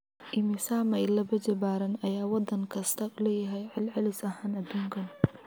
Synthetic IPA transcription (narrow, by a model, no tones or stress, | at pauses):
ʔɪmɪsaːmɐɪlɐbɐd͡ʒɐbaːɾɐnɐjaːwɑd̪ɐŋkʰɐst̪ʰɐʊlɛːjɐɦɛjʕɪlʕɪlɪsɐɦaːnɐd̪uːŋkʰɐn